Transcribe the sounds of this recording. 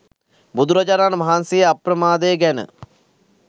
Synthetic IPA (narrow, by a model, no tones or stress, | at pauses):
bud̪uɾɐd͡ʒaɾaːnəmaɦansijəaprəmaːd̪əjəɡænə̰